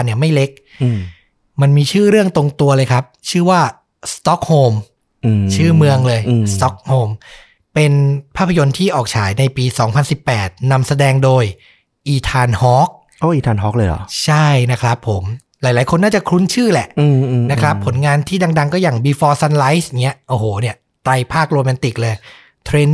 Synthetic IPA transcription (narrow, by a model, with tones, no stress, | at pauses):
nːi˥˩ɐma˥˩jle˦˥k̚ | ma˧nmiː˧t͡ɕʰɯː˥˩ɾɯ˥˩əŋt̪o˧ŋt̪u˧ɐlɤː˧jkʰɾa˦˥p̚t͡ɕʰɯː˥˩waː˥˩ | st̪ɔ˦˥k̚hoː˧mː˧˩ | t͡ɕʰɯː˥˩mɯ˧əŋlɤː˧jsst̪ɔ˦˥k̚hoː˧m | pe˧npʰaː˥˩pʰːa˧jo˧nt̪ʰiː˥˩ʔɔː˨˩k̚t͡ɕʰaː˩˦jna˧jpiː˧sɔː˩˦ŋpʰa˧nsi˨˩pːɛː˨˩t̪̚na˧msa˧dɛː˧ŋdoː˧j | ʔiː˧˩t̪ʰaː˧nhɔː˦˥k̚ | ʔoː˧˩˨ʔiː˨˧t̪ʰaː˧nɦɔː˦˥k̚lɤː˧jɔ̰˨˩˦t͡ɕʰa˥˩jna˦˥kʰɾa˦˥pʰːo˩˦m | laː˩˦jla˩˦jkʰo˧nːaː˥˩t͡ɕa˨˩kʰɾu˦˥nt͡ɕʰɯː˥˩lɛ˨˩ʔɯː˧na˦˥kʰɾa˦˥pʰːo˩˦nŋaː˧nt̪ʰiː˥˩da˧ŋda˧ŋkɔː˥˩jaː˨˩ŋbiː˧fɔː˧sa˧nla˦˥jsŋi˦˥ɐʔoː˧˩hoː˩ni˥˩ɐ | t̪ɾa˧jpʰaː˥˩k̚ɾoː˧mɛ˧nt̪i˨˩k̚lɤː˧j | t̪ʰɾeː˧n